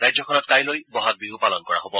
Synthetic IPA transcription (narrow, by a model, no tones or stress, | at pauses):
ɹajzɔkʰɔnɔt̚kajlojbɔɦat̚biɦupalɔnkɔɹa̰ɦobɔ